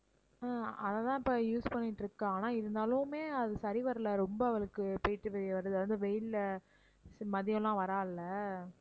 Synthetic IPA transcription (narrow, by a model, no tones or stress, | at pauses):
aːɐðɐt̪ãːɪpːɐjuːspɐɳːɪʈːɾɯkːɯaːnaːɪɾɯnd̪aːlʊmeːɐðɯsɐɾiʋɐɾɐlɐɾɔmbɐɐʋɐɭɯkːɯpɐjɪʈːɯʋɛʋɐɾɯðʋɐnd̪ɯʋɛjɪll | mɐðɪjɐ̃lãːʋɐɾaːlːɐ